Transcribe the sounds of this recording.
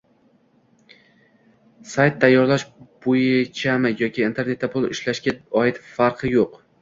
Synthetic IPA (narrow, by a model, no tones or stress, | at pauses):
sajt̪ʰːajːɒɾlaʃb̥ojɪt͡ʃʰamɪjɒkʲʰiːnt̪ʰe̞ɾne̞t̪ːapʰʊlˠɪ̰ʃlaʃɡʲaɒɪt̪faɾqʰɨjoq